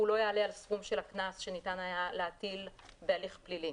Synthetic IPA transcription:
ulo̞jeale̞alsfumʃelaknasʃenitanajaleatilbealiχplili

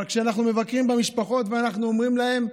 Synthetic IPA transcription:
kʃeanaχnumevakʁimbamiʃpaχo̞t̪veanaχnuomʁimlahe̞m

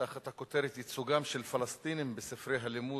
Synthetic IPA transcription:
aχat̪hako̞t̪e̞ɾet̪jit͡suɡamʃelfalastt̪inimbesifɾejɦalimu

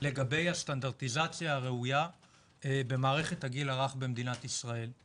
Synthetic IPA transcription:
le̞ɡabe̞jast̪and̪aʁt̪izat͡sjaːʁe̞uja | ebe̞maːʁe̞χe̞t̪haɡilaʁaχbe̞md̪inat̪isʁae̞l

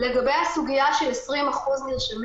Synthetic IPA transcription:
leɡabejhasuɡijaʃelesʁimaχuzniʁʃam

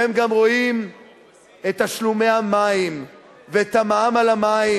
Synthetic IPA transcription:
emɡamʁo̞im | et̪aʃlume̞amaim | veet̪amaamalamai

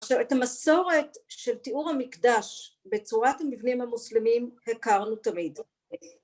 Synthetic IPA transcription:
aχʃavetamaso̞ʁe̞tʃe̞ltiuʁhamikdaʃbe̞t͡suʁatamivnimhamuslemimhekaʁnutamid

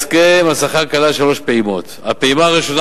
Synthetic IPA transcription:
skemasaχakalaʃalo̞ʃpeimo̞t̪a̰peimaːʁiʃo̞n

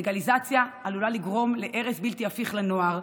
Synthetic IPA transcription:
ɡalizat͡sjaalulaliɡʁo̞mle̞ʔe̞ʁesbilt̪iafiχlano̞aʁ

